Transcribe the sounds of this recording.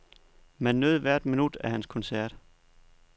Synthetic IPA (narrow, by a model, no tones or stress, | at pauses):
mænːøð̩ˠʋæɐ̰d̥minud̥æhænskʰɒ̽nsæɐ̰d̥